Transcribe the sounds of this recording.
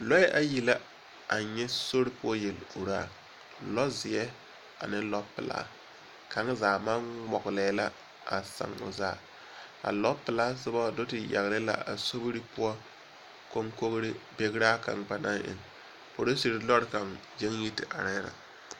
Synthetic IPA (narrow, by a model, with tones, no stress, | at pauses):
lɔ˦ɛ˦ʔa˦ji˨la˦ | ʔa˨ɲɛ˦so˦ɾɪ˦pʊ˦ɔ˦je˨lu˨ɾaː˦˨ | lɔ˦zɪ˨jɛ˦ | a̰˨nɪ˦lɔ˦pɪ̰˨la̰ː˦ | ka˨˦ŋ˦zaː˨ma˦nmɔ˨ɡlɛː˨˦la˦ | ʔa̰˨sa̰˨ŋʊ̰˨zaː˨ | ka̰˨lɔ˦pɪ˨laː˦sɪ˦ba˦˨do˦tɪ˨ja̰˨ɣlɪ˦la̰˨ʔa̰˨so˦bɾi˦pʊ˦ɔ˦ | ko˦ŋko˦kɾɪ˦be˦ɡɾa˦ka̰˨ŋɡ͡ba˨naː˦ʔɪ̰˨ŋ | po˨ɾo˦si˨ɾɪ˨lɔ˦ɾka˨ŋ | d͡ʒe˦ŋji˦tɪ˨ʔa˨ɾɛ˦ɾa̰˨